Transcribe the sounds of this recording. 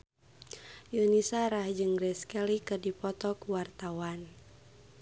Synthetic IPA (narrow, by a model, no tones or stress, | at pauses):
junisaɾahd͡ʒɨŋɡɾɛskɛlikɨdipɔt̪ɔkuwart̪awan